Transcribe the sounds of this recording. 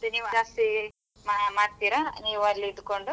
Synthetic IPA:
d̪eniːʋaːst̪i | mamaːɖt̪iːɾaniːʋuɐlːiːd̪uko̞ɳɖu

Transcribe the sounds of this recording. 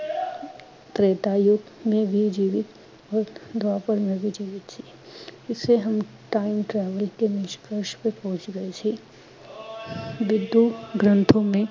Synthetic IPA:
t̪ɾeːt̪ajʊɡmẽbʱid͡ʒiːʋɪt̪ | ɔːɾd̪ʱapəɾmẽbʱid͡ʒiːʋɪt̪t͡ʃʰi | ɪsːeɦɐm | ʈaːɪmʈɾɛːʋəlkemɪʃkəɾʃpẽpɔ̃ɦʊ̃t͡ʃɡɐet͡ʃʰi | ʋɪd̪ʱːuɡɾə̃nt̪ʰõmẽ

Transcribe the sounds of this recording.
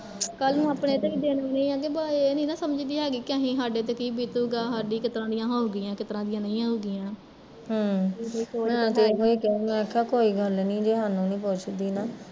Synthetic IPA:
kəlnũːaːpɳeːt̪ekid̪eːnonĩːãːɡeːbaːeːnĩːnãːsəməd͡ʒd̪iːaːɡiːkɪãːɦĩːɦaːɖeːt̪ekiːbiːt̪uːɡaːɦaːɖiːkɪt̪ɾãːd̪ɪjãːɦoːoɡɪjãːkɪt̪ɾãːd̪ɪjãːnəĩːãːɦoːɡɪjãː | ɦəːkoiːkoːɛ̃ːt̪eɦoːiːkɛːũːɡaːkʰaːkoːiːɡəlnĩːd͡ʒeːɦaːnũːnĩːpoːt͡ʃd̪iːnaː

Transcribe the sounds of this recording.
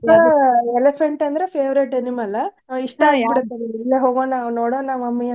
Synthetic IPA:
ɐelepʰeɳʈɐnd̪ɐɾepʰeːʋɾeʈenimɐlːɐ | iʂʈɐiɽt̪ːɐneilːeɦoːɡonaːʋnoːɽoːnaːʋɐmːɐjɐ

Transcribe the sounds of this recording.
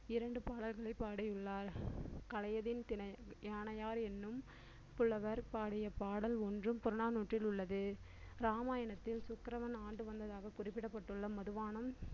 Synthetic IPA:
ɪɾɐɳɖɯpaːɽɐlɣɐɭɐɪpːaːɽɐjɯɭːaːɾkɐlɐjɐðɪnt̪ɪnɐjaːnɐjaːɾɛnːɯm | pʊɭːɐʋɐɾpaːɽɪjɐpaːɽɐlɔndrɯmpʊɾɐnaːnuːʈrɪlʊɭːɐðɯ | ɾaːmaːjɐnɐt̪ːɪlsʊkːɾɐʋɐnaːɳɖɯʋɐnd̪ɐðaːɣɐkʊrɪpːɪɽɐpːɐʈːɯɭːɐmɐðɯʋaːnɐm

